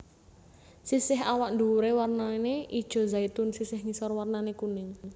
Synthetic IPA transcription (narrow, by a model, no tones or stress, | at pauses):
sisɪɦawaʔnd̪uɾewarnaeneʔid̥ʒ̥ɔ̤zait̪ʊnsisɪhŋisɔrwarnanekunɪŋ